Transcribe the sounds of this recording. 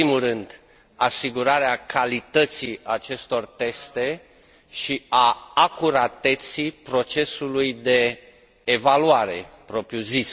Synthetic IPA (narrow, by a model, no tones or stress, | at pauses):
imulrɨnd̪ | asiɡuɾaɾeakʰalit̪ət̪siat͡ʃe̞st̪o̞rt̪e̞st̪e̞ | ʃiaːkuɾat̪e̞t̪sipɾo̞t͡ʃe̞sulujd̪e̞ː | valuaɾe̞̰pɾo̞pɾjuzis